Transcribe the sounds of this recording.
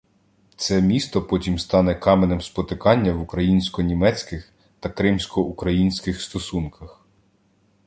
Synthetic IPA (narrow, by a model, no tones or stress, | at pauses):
t̪sɛmʲist̪ɔpɔtʲimst̪ɑnɛkɑmenemspɔt̪ɪkɑnʲːɐʋukɾɐjinʲsʲkɔnʲimɛt͡sʲkɪx | t̪ɐkɾɪmsʲkɔukɾɐjinʲsʲkɪxst̪ɔsunkɐx